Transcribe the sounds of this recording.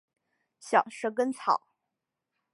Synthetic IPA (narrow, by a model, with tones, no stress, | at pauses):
ɕjɑ̰˨˩ŋʂə˧˥k̬ə˥nt͡sʰɑ̰˨˩˦ʊ